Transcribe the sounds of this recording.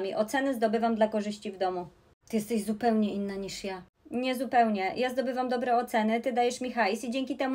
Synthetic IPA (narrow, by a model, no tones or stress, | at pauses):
mʲiʔɔt̪sɛnɛzd̪ɔbɘvamd̪lakɔʐɘɕt͡ɕivd̪ɔmu | t̪ɨjɛst̪ɛɕzupɛwɲɛinːaɲiʂja | ɲɛzupɛwɲɛjazd̪ɔbɘvamd̪ɔbɾɛɔt̪sɛnɘt̪ɘd̪ajɛʂmʲixajsid͡ʑɛŋʲkʲit̪ɛm